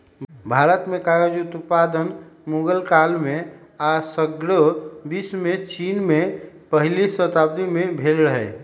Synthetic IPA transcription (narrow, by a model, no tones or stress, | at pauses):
bʱaːɾət̪mẽkaɾed͡ʒut̪ut̪pad̪ənmuɡəlkalmẽasəɡɾəbismẽt͡ʃinmẽ | pəɦlisət̪ab̚d̪imẽbʱelɾəɦɛ